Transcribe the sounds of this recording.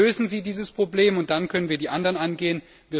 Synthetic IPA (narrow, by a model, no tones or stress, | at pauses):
øːzn̩ziːdiːzəspʁ̥obleːmʊnt̚d̥ankʰœnənviːɐdiːʔandɐʁənʔanɡeːən | viː